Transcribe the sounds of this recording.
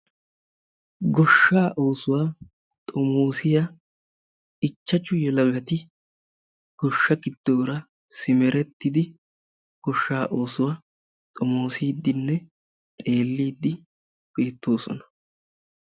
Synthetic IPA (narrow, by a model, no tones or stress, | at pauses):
ɡɔʃːaːʔo̞ːsʊwaː | t̪ʼɔmo̞ːsɪja | t͡ʃːɐt͡ʃːʊjɛlɐɡɐt̪ɪ | ɡ̥ɔʃːɐɡɪd̪̥ːo̞ːɾɐ | sɪmɛɾɛt̪ːɪd̪ɪ | ɡ̥ɔʃːaːʔo̞ːsʊwaː | t̪ʼɔmo̞ːsiːd̪ːɪnːɛ | t̪ʼe̞ːlːiːd̪ːɪ | b̥e̞ːt̪ːo̞ːsɔ̰nɐ̥